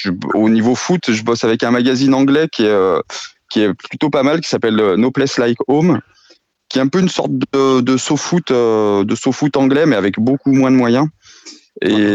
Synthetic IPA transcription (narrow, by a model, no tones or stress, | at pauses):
ʒəonivofut̪ʒəbɔsavɛkɛ̃maɡazinɑ̃ɡlɛkʲiɛø | kʲiɛplyt̪opamalk̬ʲi̥sapɛlønoplɛslajkom | kʲiɛɛ̃pøynsɔ̰ʁt̪d̪əəd̪əsofut̪ød̪əsofut̪ɑ̃ɡlɛmɛavɛkbokumwɛ̃d̪əmwajɛ̃ | ḛ